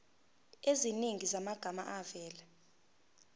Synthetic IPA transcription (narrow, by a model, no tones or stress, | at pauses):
eziniŋizamaɡ̥ʱama̰ʔavɛːlɛ